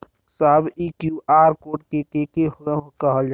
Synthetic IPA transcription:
saːbiːkjuʔaːɾkoːʈ̚kekekeɦkəɦəld͡ʒa

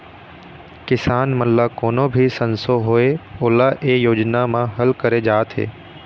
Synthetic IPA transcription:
kɪsaːnməllakoːnobʱisənsoɦoːeoːlaʔeːjoːd͡ʒnamãɦəlkəɾed͡ʒaːt̪ʰɦḛː

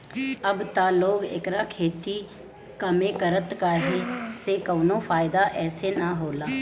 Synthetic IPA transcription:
əbt̪aːloːɡɪ̰kɾakʰeːt̪iː | kəmẽːkəɾət̪kaɦesekəːnõfʰaːɪd̪aʔɛːsenaɦoːlaː

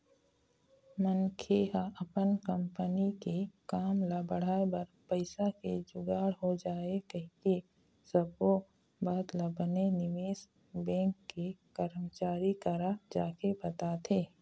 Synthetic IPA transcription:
mənkʰeːɦaʔɐpənkɐ̃mpənikekaːmlabəɽ̤aːebɐɾpəɪsaked͡ʒʊɡaːɽɦod͡ʒaːekɐɦki | səbo | baːt̪labənenɪʋeːs | bɛ̃ːŋkːekəɾmət͡ʃaːɾikəɾad͡ʒaːkebɐt̪at̪ʰeː

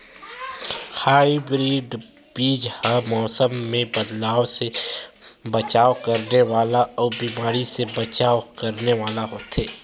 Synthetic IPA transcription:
haːibɾiːɖ | biːd͡ʒhamɔːsəmːẽbɐd̪laːʋse | bət͡ʃaːkəɾneʋaːlaɔːɾbiːmaːɾisebɐt͡ʃaːkəɾneʋaːlaɦoːt̪ɦeː

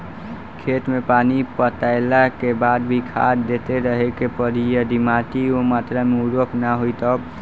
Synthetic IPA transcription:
kʰet̪mepanipət̪aɪlakebad̪̚bʱikʰa̰ɾd̪et̪eɾəɦekepəɾijəd̪imaʈiomat̪ɾameuɾoknaɦojt̪əb

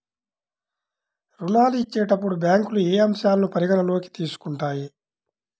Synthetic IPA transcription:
ɾunaːluit͡ʃːeːʈɐpːuɽubʲjaːŋkulueːɐmʃaːllupɐɾiɡɐnɐlo̞ːki̥t̪iːsu̥kuɳʈaːji

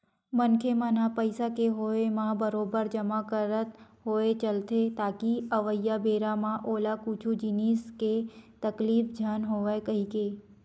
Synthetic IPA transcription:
mənkʰemanapəjsakeɦoemãbəɾobəɾd͡ʒəmakəɾət̪ɦoet͡ʃəlt̪ʰet̪aːkiəʋəjːabeɾamãʔoːlakut͡ʃʰud͡ʒinisket̪əklifd͡ʒʱanɦoʋajkəɦike

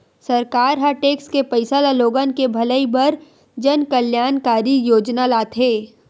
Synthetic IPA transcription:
sɐɾkaːɾɦaʈeːkskepəɪsalaloːɡankebʱɐləibɐɾ | d͡ʒɐnkəljaːnkaːɾijoːd͡ʒnalaːt̪ʰɦeː

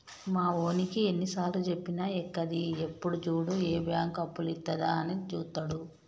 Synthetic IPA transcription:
maːo̞ːnikie̞nːisaːɾlut͡ʃe̞pːinaekːɐd̪iepːuɽut͡ʃuːɽueːbjaːŋkɐpːulit̪ːɐd̪aːnit͡ʃuːt̪ːɐɽu

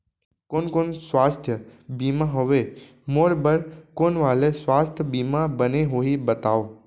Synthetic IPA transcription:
koːnkoːnsʋaːst̪ʰjəbiːmaɦoʋe | moːɽbəɾkoːnʋaːlesʋaːst̪ʰjəbimãbəneɦoibət̪aːo

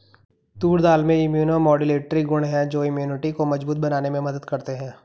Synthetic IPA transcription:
t̪uːɽd̪aːlmẽɪmjuːnomɔːɖileːʈɾiɡʊɳ̃ɦɛ̃d͡ʒoːɪmjuːnɪʈikomɐd͡ʒbuːt̪̚bɐnaːnemẽmɐd̪əd̪kɐɾt̪eɦɛ̃ː

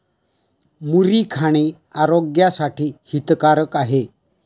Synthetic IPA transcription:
muɾiːkʰaɽ̃iː | aɾoɡjasaʈʰiːhit̪kaɾəkaɦe

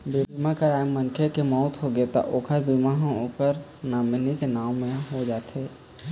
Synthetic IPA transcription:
bebimakəɾaːemənkʰekemɔːt̪ɦoɡet̪a̰ʔoːkʰəɾbimaɦoːpəɾnaːmnikenaːwmẽɦod͡ʒaːt̪ʰeː

